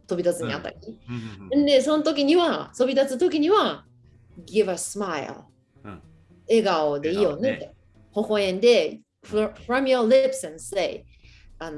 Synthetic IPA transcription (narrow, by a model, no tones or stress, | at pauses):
t̪o̞bʲit̪at͡sɨɲ̟ia̰t̪ːa̰kʲiẽnd̪esõ̞not̪o̞kʲiɲ̟iβat̪o̞bʲit̪at͡sɨt̪o̞kʲiɲ̟iβa | ɡɪvasɨmaj̰lˠ | e̞ɡaod̪e̞ijone | hohoẽnd̪e̞ | fɾʌ̃mjolɪpsɛ̃nseɪ | an